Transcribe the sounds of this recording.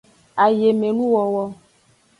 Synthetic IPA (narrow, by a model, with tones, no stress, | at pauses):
a˨je˨me˨nũ˦wɔ˨wɔ˦